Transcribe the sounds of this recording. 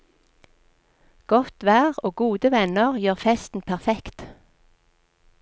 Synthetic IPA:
ɡ̥ɔt̪ʋæːʁoːɡuːd̪əʋɛnəʁjøːʁfɛst̪n̩pʰæʁfɛkt̪

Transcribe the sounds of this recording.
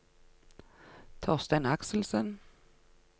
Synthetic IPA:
t̪ʰɑːst̪ɛnaksəlsən

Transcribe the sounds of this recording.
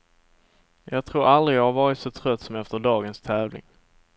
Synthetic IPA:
jɑːɡ̚t̪ʰɾuːɾʔald̪ɾɪɑhaɾvɑːɾɪt̪sɔt̪ʰɾœt̪ːsɔmɛft̪əɖɑːɡənst̪ʰɛːvlɪ̰ŋ

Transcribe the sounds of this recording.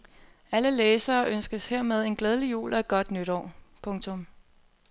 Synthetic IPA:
æləleːsɐːʔønsɡ̥əsheɐ̰með̞ˠe̝nɡ̥leð̞ˠəlijṵːlʔɒed̚ɡ̥ɒ̽d̥nyɾ̥ɒ̰ːpʰɔ̽ŋt͡sʰɔ̽m

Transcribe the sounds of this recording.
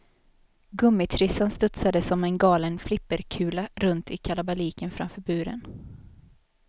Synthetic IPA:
ɡɵmːɪt̪ʰɾɪsanst̪ɵt̪sad̪əsɔmɛnɡɑːlənflɪpːəɾkʰʉ̟ːlaɾɵnt̪ɪkʰalabaliːkənfɾa̰mfœːɾbʉ̟ːɾə̰n

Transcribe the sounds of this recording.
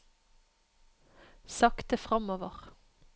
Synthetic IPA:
sɑkt̪əfʁɑmoːʋəʁ

